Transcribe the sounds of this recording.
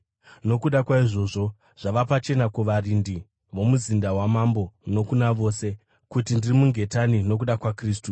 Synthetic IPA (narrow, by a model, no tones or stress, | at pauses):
no̞kuɗakwaiʐo̞ʐo̞ | ʐ̥aʋapat͡ʃe̞nakuʋarindi | ʋo̞muzindawamambo̞no̞kunaʋo̞ːse̞ | kutindirimuŋɡe̞tanino̞k̬uɗakwakriːs̬tu